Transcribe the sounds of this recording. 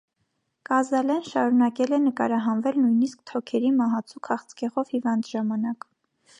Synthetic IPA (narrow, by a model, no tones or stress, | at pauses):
kɑzɑlɛnʃɑɾunɑkɛlɛnəkɑɾɑɦɑnvɛlnujniskt̪ʰɔkʰɛɾimɑɦɑt͡sʰukʰɑχt͡sʰkɛʁɔvhivɑnd̪ʒɑmɑnɑk